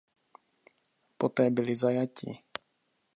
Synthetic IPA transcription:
pot̪ɛːbɪlɪzajacɪ̰

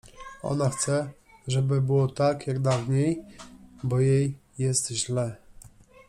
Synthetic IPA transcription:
ɔ̰naxt̪sɛ | ʐɛbɘbɘwɔt̪akjaɡd̪avɲej | bɔjejː | ɛst̪ʑlɛ

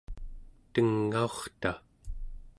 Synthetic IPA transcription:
t̪əŋːaoχt̪a

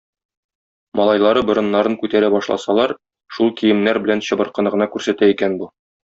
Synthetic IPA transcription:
mɒlˠɑjlˠɑɾɤbɤ̆ɾɤ̆nːɑɾɤŋkʉt̪æɾæbɒʃlˠɑ̰sɑlˠɑɾ | ʃulˠkijɘ̆mnæɾbɘ̆lænɕɤ̆bɤ̆ɾqɤ̆nɤ̆ʁɤ̆nɑkʉɾsæt̪æikænbu

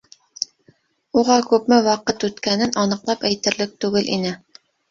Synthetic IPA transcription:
uʁɑkʉpmɘwɑqɤt̪ʉt̪kænɘnɒnɤ̆qlˠɑpæjt̪ɘ̆ɾlɘk̚t̪ʉɡɘlʔḭnɘ

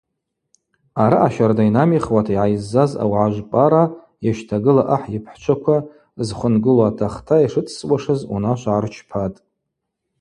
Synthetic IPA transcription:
aɾaʔaʃardajnamiχwatʰaiʕajzːaza̰wʕaʒʷpʼaɾa | jaʃtʰaɡɨlaʔaħjɪpʰħt͡ʃʷʰakʷʰa | zχʷənɡɨlaːtʰaχtʰaiʂɨt͡sʰswʷaʂɨzṵnaʃʷʕart͡ʃʰpʰatʼ

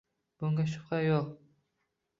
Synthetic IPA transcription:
b̥ʊŋɡʲaʃʊ̥p̚qɑjoq

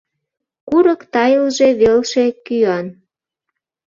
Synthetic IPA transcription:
kuɾəkt̪ɑjəlʒeβelʃe̽kyɑn

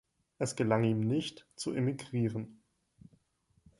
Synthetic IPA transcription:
ʔɛsɡ̥əlaŋiːmnɪçtt͡suʔemiɡʁiːʁən

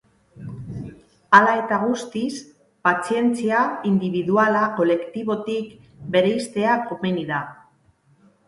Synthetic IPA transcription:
alae̞t̪aɣust̪is | pat͡sie̞nt͡siaind̪iβiðualako̞le̞kt̪iβo̞t̪ik | be̞ɾeist̪e̞akomeniða

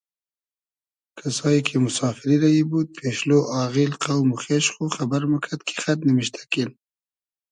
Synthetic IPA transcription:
kʰasɑjikʰemʊsɑfɪɾiɾajibud̪̚pʰeʃloʔɑɣilqawmʊxeʃχoxabaɾməkʰat̪̚kʰe̥xat̪nəmɪʃt̪ʰḁkil

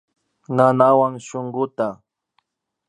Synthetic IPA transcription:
nanawaŋʃoɴɢʊt̪a

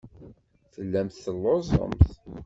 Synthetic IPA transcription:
θəlːæmθθəlːozˤə̰mθ

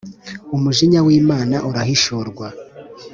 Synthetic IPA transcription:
umuʒiɲawiːmaːnaʔuɾahiʃoɾɡwa

